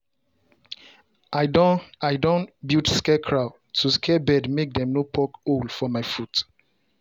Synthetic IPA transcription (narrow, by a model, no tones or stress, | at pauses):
aaɪdõnbitskɛkʰɹaʊ | tʰuskʰɛbɛdmek̚dɛ̃mnopʰɔkolfɔmaɪfut